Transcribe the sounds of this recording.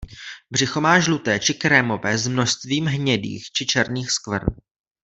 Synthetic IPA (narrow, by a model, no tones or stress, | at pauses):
br̝ɪxo̞maːʒlut̪ɛːt͡ʃɪkɾɛmo̞vɛːzmno̞ʃst̪viːmɦɲɛdḭːxt͡ʃɪt͡ʃɛɾniːxskvr̩